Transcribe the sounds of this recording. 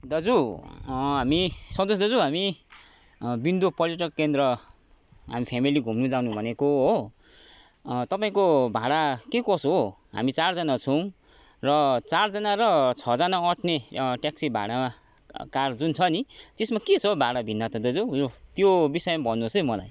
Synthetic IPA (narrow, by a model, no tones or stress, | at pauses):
d̪ʌd͡zu | ɦamisʌnd̪os̬d̪ʌd͡zuɦami | bind̪upʌrjʌʈʌkːend̪rʌ | ɦa̰mipʰamiliɡʱumnud͡zaw̃nubʱʌnekoɦo | t̪ʌpaĩkobʱaɽakekʌsoɦa̰mit͡sard͡zanat͡sʰʌw̃ | rʌt͡sard͡zʌnaɾʌt͡sʰʌd͡zanaʌʈʰneʈjaksibʱa̰ɽama | kard͡zunt͡sʰʌnit̪esmaket͡sʰʌbʱaɽabʱinːʌt̪ʌd̪ʌd͡zuot̪jobisʌjmabʱʌnːusʌjmʌla̰j